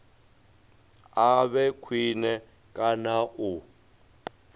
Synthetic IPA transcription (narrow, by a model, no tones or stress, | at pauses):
aβɛkʰwinɛ | kʼanaʔu